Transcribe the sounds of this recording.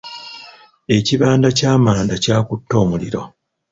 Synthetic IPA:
e̞ciβaːndacaːmaːndacaːkutːo̞ːmuliɾo̞̰

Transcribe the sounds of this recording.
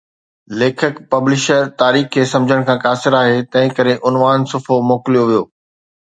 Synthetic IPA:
leːkʰəkpɐblɪʃəɾt̪aːɾiːxkʰeːsɐ̃md͡ʑʱəɽ̃kʰãːkaːsɪɾaːɦeːt̪ɐ̃ɦɪ̃kɐɾeʔʊnʋaːnsʊfomoːkɪlijoʋijoː

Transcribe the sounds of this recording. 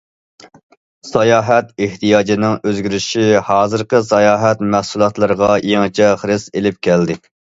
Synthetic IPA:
sɑjɑːɦɛt̪̚eht̪ijɑːd͡ʒɪnɪŋøzɡʲyɾɪʃihɑːzɨɾqəsɑjɑːɦɛt̪mæhsulˠɑt̪lˠɨɾəʁɑjeŋt͡ʃʰɛχɾɨselɪp̚kʲʰɛld̪ɪ

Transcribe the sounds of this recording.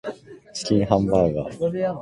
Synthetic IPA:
t͡ɕi̥kʲĩɰ̃ɦãmbaɡa

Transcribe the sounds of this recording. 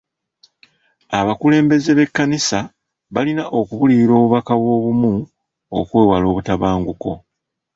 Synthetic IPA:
aβakule̞ːmbe̞ze̞βe̞kːanisa | βalinaʔo̞kuβuliiɾo̞ːβuβakaβwo̞ːβumu | o̰kwe̞ːwalo̞ːβutaβaːŋɡuko̞̰

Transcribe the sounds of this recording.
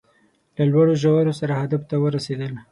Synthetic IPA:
lalwaɽoʒawaɾosaɾahad̪aft̪awəɾased̪əl

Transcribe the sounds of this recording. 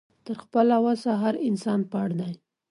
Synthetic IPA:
t̪əɾxpəlawasaɦaɾɪnsɑnpəaɽd̪aj

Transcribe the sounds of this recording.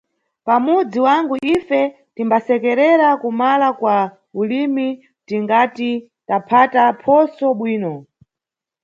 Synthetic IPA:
pamud͡ziwaŋɡuʔifɛ | timbasɛkɛɾɛɾakumalakwa | ulimi | tiŋɡati | tapʰatapʰɔsɔɓwiːnɔ

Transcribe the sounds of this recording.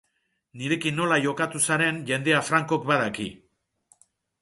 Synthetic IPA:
niɾe̞kinːo̞laʝo̞kat̪usaɾe̞nʝe̞nd̪e̞afɾaŋko̞kbaðakḭ

